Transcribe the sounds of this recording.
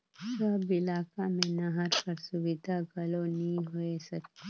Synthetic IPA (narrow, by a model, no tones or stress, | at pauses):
sɐbɪlaːkamẽnɐɦəɾkɐɾsʊʋɪd̪ʱaɡɐlonɐɦĩɦoesɐk̪ː